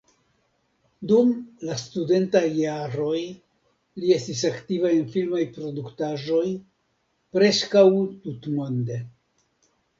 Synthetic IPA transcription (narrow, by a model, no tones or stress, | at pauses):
dumlastude̞ntajːaɾo̞j | lie̞stis̬aktivajenfilmajpɾo̞duktaʒo̞j | pɾe̞skawtutmo̞nde̞